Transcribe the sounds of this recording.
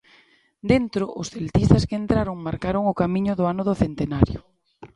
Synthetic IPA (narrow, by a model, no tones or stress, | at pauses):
d̪ent̪ɾoʔosθelt̪ist̪askent̪ɾaɾoŋmaɾkaɾoŋokamĩɲoðoanoðoθent̪enaɾjo̰